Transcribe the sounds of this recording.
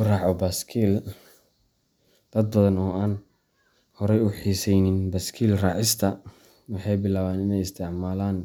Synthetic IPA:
ʊrɑːʕɔbaskʰiːl | d̪̥ɐd̪̚bɐðɐnɔːʔaːn | hɔɾɛjʊħiːsɛjnɪnbɐskʰiːlrɑːʕɪst̪ʰɐ | wɑħɑjbɪlaːβaːnɪnɛjɪst̪ʰɪʕmaːlaːn

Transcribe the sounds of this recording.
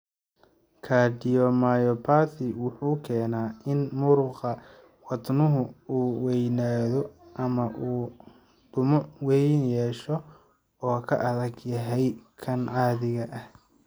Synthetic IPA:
kʰaːdɪjɔmaːjɔpʰaːθɪwʊħuːkʰɛːnaːʔɪnmʊɾʊqɑ | wɑd̪nʊɦʊuːwɛjnaːðɔʔɐmɐʔuː | d̪̥ʊmɔwɛjnjɛːʃɔ | ɔːkʰɐ̰ʔɐðɐɡjɐɦɛjkʰɐnʕaːðɪɣɐʔɐh

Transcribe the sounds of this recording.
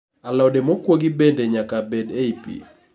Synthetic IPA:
alɔdemokwoɡibendeɲakabedeipḭ

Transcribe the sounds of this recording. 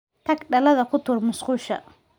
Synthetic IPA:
t̪ʰɐkɖɐlɐðɐkʰʊt̪ʰʊrmʊsqʊːʃɐ̰

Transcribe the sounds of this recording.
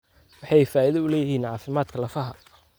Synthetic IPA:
wɑħɑjfaːʔɪðɐʊlɛːjɪhiːnʕɑːfɪmaːd̪kʰɐlɐfɐɦɐ

